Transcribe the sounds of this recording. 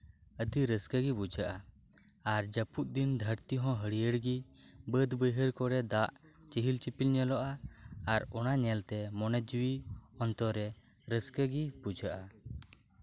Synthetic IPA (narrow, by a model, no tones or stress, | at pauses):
əd̪iɾəskəɡibud͡ʒaʔa | aɾd͡ʒəput̪̚ˀd̪ind̪ʱəɾt̪iɦɔ̃ɦəɽijəɽɡi | bəd̪bəjɦəɾkɔɾɛd̪aʔt͡ʃiɦilt͡ʃipilɲɛlɔʔaːɾɔnaɲɛlt̪ɛmɔnɛt̪̚d͡ʒuiɔnt̪ɔɾɛ | ɾəskəɡibud͡ʒʱaʔa